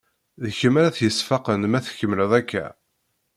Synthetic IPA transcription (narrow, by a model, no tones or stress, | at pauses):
ðəçəmæɾæθjəsfɑqənmæθçəmləðˤækːæ̰